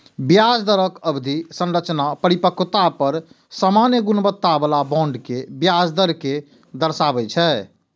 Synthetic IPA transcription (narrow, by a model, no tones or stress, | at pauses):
bjad͡ʒd̪əɾəkəbd̪ʱisə̃nɾət͡ʃnapəɾipəkt̪apəɾ | samanjəɡunbət̪ːabəlabɔ̃ɳɖkebjad͡ʒd̪əɾke | d̪əɾsabɛt͡ʃʰɛ